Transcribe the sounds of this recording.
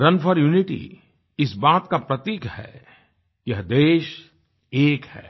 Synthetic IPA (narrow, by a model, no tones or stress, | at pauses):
ɾɐnfəɾjuːnɪʈḭ | ɪsbaːt̪kapɾɐt̪iːkhɛ̰ː | jɐɦd̪eːʃ | eːkhɛ̰ː